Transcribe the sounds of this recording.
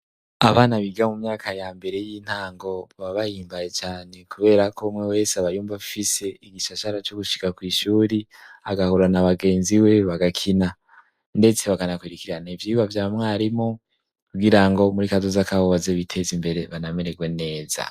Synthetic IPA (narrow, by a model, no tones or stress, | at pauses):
aβaːnaβiɡamumɲaːkʰajambe̞ɾe̞jiːn̥haːŋɡo̞βaβajiːmbaje̞t͡ʃaːne̞kuβe̞ːɾakomŋewe̞ːseaβajuːmbaβifise̞iɡiʃaʃaɾat͡ʃoɡuʃi̥kakwiːʃuːɾiaɡahuɾanaβaɡe̞ːnziwe̞βaɡakʰina | nde̞t͡se̞βakanakwiɾikiɾanaivjiːβavjaːmŋaːɾimo | kuɡiɾaŋɡo̞muɾikazozakaβoβazeβitʰe̞zimbe̞ɾe̞βanameɾeɡwe̞ne̞ːza̰